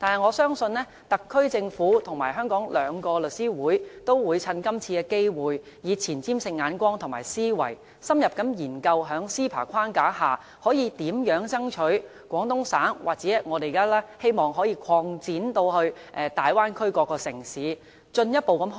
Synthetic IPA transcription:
t̪aː˨nɦɐ˨jŋɔː˨˧sœː˥ŋsɵ˧nlɛː˥ | t̪ɐ˨kʰːɵ˥ɥt͡sɪ˧ŋfuː˨˥t̪ʰʊ˨˩ŋmaː˨˩ɦœː˥ŋkɔː˨˥ŋlœː˨˧˥ŋkɔː˧lɵ˨t̚siː˥wuː˨˥jt̪o˥wwuː˨˧jt͡sʰɐ˧nkɐ˥mt͡sʰiː˧kɛː˧ke˥jwuː˨j | jiː˨˧t͡sʰiː˨˩nt͡siː˥msɪ˧ŋːaː˨˧nkʷɔː˥ŋt̪ʰʊ˨˩ŋmaː˨˩jsiː˥wɐ̰˨˩j | sɐ˥mjɐ˨p̚kɐ˨˥mjiː˨˩nkɐ˧wɦœː˨˥ŋsiː˥pʰa̰ː˨˩kʷʰaː˥nkaː˨˥haː˨˩ | hɔː˨˥jiː˨˧t̪iː˨˥mjœː˨˥ŋt͡sɐ˥ŋt͡ʃʰɵ˨˥ɥ | kʷɔː˨˥ŋt̪ʊ˥ŋsaː˨˥nwʔaː˨k̚t͡sɛː˨˥˨ŋɔː˨˧t̪e˨˩˨kaː˥lɛː˥he˥jmɔː˨˩ŋɦɔː˨˥jiː˧kʷʰɔː˧ŋt͡siː˨˥nt̪o˧whɵ˧ɥʔɛː˨˧t̪aː˨jwaː˥nkʰɵ˥ɥkɔː˧kːɔː˧sɪ̰˨˩ŋsiː˨˥ | t͡ʃɵ˧njɐ˥t̚po˨wkɐ˨˧˥m

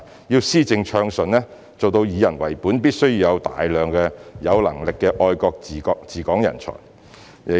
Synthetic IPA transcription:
jiː˧wsiː˥t͡sɪ˧ŋt͡ʃʰœː˧ŋsɵ˨nlɛː˥ | t͡so˨wt̪o˧wjiː˨˧jɐ˨˩nwɐ˨˩jpuː˨˥npiː˥t̚sɵ˥ɥji˧wjɐ˨˧wt̪a̰ː˨jlœː˨ŋkɛː˧jɐ˨˧wlɐ̰˨˩ŋlɪ˨kːɛː˧ʔɔː˧jkɔː˧k̚t͡siː˨˩kɔ˧t͡siː˨˩kɔː˨˥ŋjɐ̰˨˩nt͡ʃʰɔ̰ː˨˩j

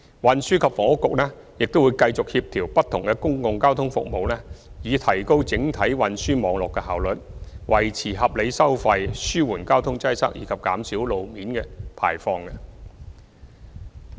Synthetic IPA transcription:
wɐ˨nsyː˥kʰɐ˨pfɔː˨˥kʊ˨k̚lɛː˥ | jɪ˨k̚t̪o˥wːjkɐ˧jt͡sʊ˨k̚hiː˧p̚t̪ʰiː˨˩wpɐ˥t̪ʰʊ˨˩ŋkɛ˧kʊ˥ŋkʊ˧ŋkaː˥wt̪ʰʊ˥ŋfʊ̰˨k̚mo˨wlɛ˥jiː˨˧t̪ʰɐ˨˩jko˥wt͡sɪ˨˥ŋt̪ʰɐ˨˥jwɐ˨nsyː˥mɔː˨˧ŋlɔː˨kːɛ˧ɦaː˨˩wlɵ˨t̚wɐ˨˩jt͡sʰiː˨˩ɦɐ˨p̚le˨˧jsɐ˥wfɐ˧jsyː˥wuː˨˩nkaː˥wt̪ʰʊ˥ŋt͡sɐ˥jsɐ̰˥k̚jiː˨˧kʰɐ˨p̚kaː˨˥msiː˨˥wlo˨˧wmiː˨˥nkɛ˧pʰa̰ː˨˩jfɔː˧ŋkɛ˧

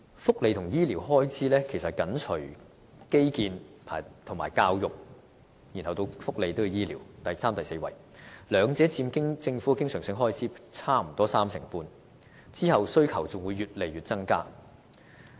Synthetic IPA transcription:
fʊ˥k̚le˨jt̪ʰʊ˨˩ŋjiː˥liː˨˩wɦɔː˥jt͡sʰiː˨˥lɛː˥kʰe˨˩sɐ˨t̚kɐ˨˥nt͡ʃʰɵ˨˩ɥ | ke˥jkiː˧npʰaː˨˩t̪ʰʊ˨˩ŋmaː˨˩jkaː˧wjʊ˨k̚ | jiː˨˩nhɐ˨wt̪o˧wfʊ˥k̚le˨˧jt̪o˥wjjiː˥liː˨˩wt̪ɐ˨jsaː˥mt̪ɐ˨jse˧wɐ̰˨˩j | lœː˨˧ŋt͡sɛː˨˥t͡siː˧mkɪ˥ŋt͡sɪ˧ŋfu˨˥kɪ˥ŋsœː˨˩ŋsɪ˧ŋɦɔː˥jt͡sʰiː˨˥t͡sʰaː˥m̩˨˩t̪ɔː˥saː˥msɪ˨˩ŋpuː˧n | t͡siː˥hɐ˨wsɵ˥ɥkʰɐ˨˩wt͡sʊ˨ŋwuː˨˧jːyː˨t̚le˨jɥyː˨t̚t͡sɐ˥ŋkaː˥

